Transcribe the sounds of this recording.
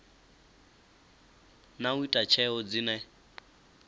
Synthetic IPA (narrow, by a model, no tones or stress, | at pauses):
nauitʼat͡ʃʰɛɔd͡zinɛ